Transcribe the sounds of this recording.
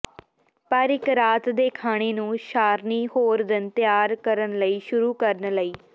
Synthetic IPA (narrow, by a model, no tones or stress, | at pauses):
pəɾɪkɾaːt̪d̪eːkʰaːɽ̃eːnũːʃaːɾniːɦoːɾd̪ɪnt̪ɪjaːɾkəɾənləiːʃʊɾuːkəɾənləiː